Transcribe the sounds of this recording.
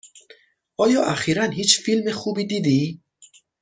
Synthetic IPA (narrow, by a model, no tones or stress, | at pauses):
ɔjɒːʔæxiɾænhit͡ʃfilmexubid̪id̪i